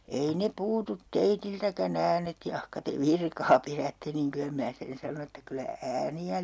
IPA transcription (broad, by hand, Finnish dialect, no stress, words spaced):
ei ne puːtut teitiltækæn æːnet jɑhkɑ te ʋirkɑː pirætːe niŋ kylæ mĭnæ sen sɑnon etːæ kylæ æːniæ